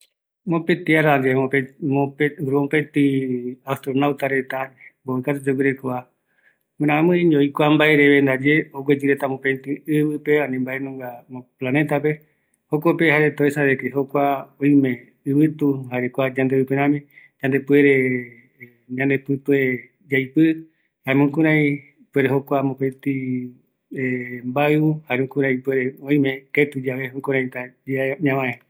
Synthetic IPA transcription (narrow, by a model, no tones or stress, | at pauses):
mõpet̪iaɾad͡ʒeopemoɾmopet̪iast̪ɾonawt̪aɾet̪amboekat̪̬ud͡ʒoɡʷiɾekoa | mɨ̃ɾ̃ãmɨ̃iɲd͡ʒoikʷambaeɾeβend̪ad͡ʒeoɡʷwed͡ʒiɾet̪amopẽt̪iɨβɨpeanĩmbaenũŋɡamõplanẽt̪ape̞ | hokopehaɾet̪oesaðekeɦokʷaõĩmẽ | ɨβɨt̪uhaɾekʷad͡ʒãnd̪eɨpeɾ̃ãmĩ | d͡ʒãnd̪e̞pueɾe | ɲãnd̪epɨt̪ue | d͡ʒajpɨ | hamũkũɾ̃ãĩ | pue̞ɾeɦokʷamõpet̪i | embaɨuhaɾeũkũɾ̃ãĩpweɾeõĩmẽket̪ud͡ʒaβeĩkũɾãĩt̪ad͡ʒiaɲãβãẽ